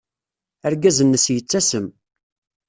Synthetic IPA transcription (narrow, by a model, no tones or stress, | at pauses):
æɾɡæzənːəsjət͡sːæsəm